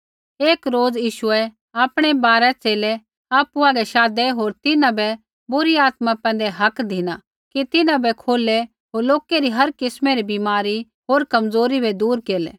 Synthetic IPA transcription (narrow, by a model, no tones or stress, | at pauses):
eːkɾoːd͡zjiːʃʊɛ | aːpɽ̃ebaːɾɛt͡seːlɛ | aːpuãɡɛʃaːd̪ɛɦoːɾt̪ɪnãbɛ | bʊɾiaːt̪mapɛ̃ːn̆d̪eɦɐkd̪ʱɪna | kit̪ɪnãbɛkʰoːle | ɦoːɾloːkeɾiɦɐɾkɪsmeɾibimaːɾi | ɦoːɾkɐmzoːɾibʱɛd̪uːɾkeːlḛː